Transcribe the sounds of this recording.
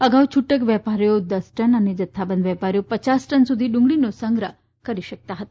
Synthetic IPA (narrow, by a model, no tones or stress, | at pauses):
əɡawt͡ɕʰuʈəkʋjɛpaɾjod̪əsʈənaned͡ʒət̪ʰːabənd̪ʋjɛpaɾjopət͡ɕasʈənsud̪ʱiːɖũŋɡɭinosəŋɡɾə | kəɾiɕək̚t̪aɦət̪ḁ